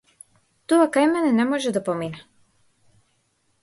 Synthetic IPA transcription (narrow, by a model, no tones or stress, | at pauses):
t̪ɔakajmɛnɛnɛmɔʒɛd̪apɔmina